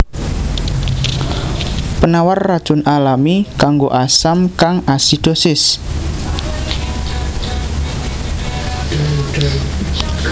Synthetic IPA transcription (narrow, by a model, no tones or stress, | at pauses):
pənawarːad̥ʒ̥ʊnalamikaŋɡoʔasamkaŋasid̪̥osɪs